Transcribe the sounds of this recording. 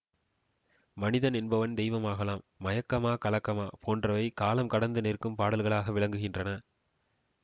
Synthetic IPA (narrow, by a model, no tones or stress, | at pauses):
mɐnɪðɐnɛnbɐʋɐnd̪ɛjʋɐmaːɣɐlaːmːɐjɐkːɐmaːkɐlɐkːɐmaːpʰoːndrɐʋɐɪkaːlɐmkɐɽɐnd̪ɯnɪrkɯmpaːɽɐlɣɐɭaːɣɐʋɪɭɐŋɡɯɣɪndrɐnɐ